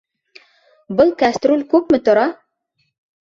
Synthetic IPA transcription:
bɤlˠkast̪ɾolʲkʉp̚mɘt̪ŏɾɑ

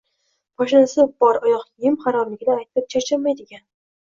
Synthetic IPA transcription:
mɒʃɪnasɪbbɒɾɒjɒqjɪmχaɾɒmlɪɡʲɪd̪aːjt̪ʰɪp̚t͡ʃʰat͡ʃʰamajd̪ɪɡʲan

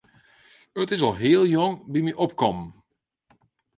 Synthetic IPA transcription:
ətɪzɑlˠɦeːlˠjɔŋbimiʔɔp̚kɔm

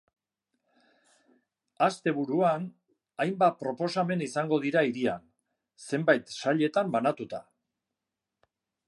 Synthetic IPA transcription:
ast̪e̞β̞uɾuan | ajmbapɾo̞po̞same̞nisaŋɡo̞ð̞iɾaiɾian | se̞mbajt̪saʎe̞t̪ambanat̪ut̪a

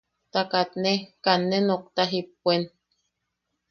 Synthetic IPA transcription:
t̪akat̪nekanːenok̚t̪aɦipːuen

